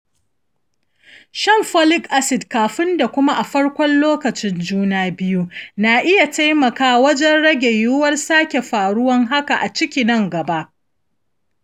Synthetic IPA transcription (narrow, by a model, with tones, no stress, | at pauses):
ʃɐ˦˨mɸɔ˦lɪ˦kʔa˦sɪ˨dkaː˨ɸɪ˦nda˨kʷʊ˦ma˦ʔa˨ɸɐ˦ɽkʷɔ˦nloː˦kɐ˨t͡ʃɪ˦nd͡ʒuː˦naː˦bɪ˦ju˦na˨ʔɪ˦ja˨ta˦jmɐ˨kaː˦wɐ˦d͡ʒɛ˦nɽɐ˦ɡʲe˨jʊ˦wɐ˦rsaː˦kʲe˨ɸaː˨ɽʊ˦wɐ˦ŋɦa˦ka˨ʔa˨t͡ʃɪ˦kʲi˨nɐ˦ŋɡɐ˨ba˦ʔ